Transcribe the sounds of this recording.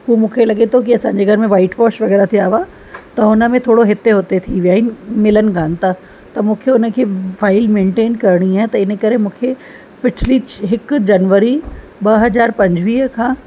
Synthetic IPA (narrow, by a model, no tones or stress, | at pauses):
ɦumũːkʰelɐɠet̪ʰokiɐsãːɲd͡ʑeɡʱɐɾmẽʋaːɪʈʋɔːʃʋɐɣɛːɾat̪ʰiaːʋa | t̪ɐʊnə̆mẽt̪ʰoːɽoɦɪt̪eɦoːt̪et̪ʰiʋijaːɦɪnɪmɪlənɪ̆ɡãːn̆t̪a | t̪ɐmũːkʰeʊnə̆kʰeːfaːɪlmẽːɳʈeːnkɐɾɽ̃iaːɦɪ̃t̪ɐɪnə̆kɐɾemũːkʰe | pɪʈʰliɦɪkd͡ʑɐnʋəɾi | bɐɦɐzaːɾpɐ̃ɲd͡ʑʱʋiːɦkʰãː